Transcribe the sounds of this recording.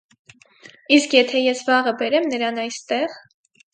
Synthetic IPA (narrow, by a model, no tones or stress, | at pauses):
iskjɛt̪ʰɛjɛsvɑʁəbɛɾɛmnəɾɑnɑjst̪ɛʁ